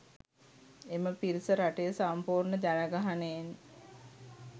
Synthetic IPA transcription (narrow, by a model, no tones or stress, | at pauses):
eməpiɾisəɾaʈejəsampuːrɳəd͡ʒanəɡaɦanen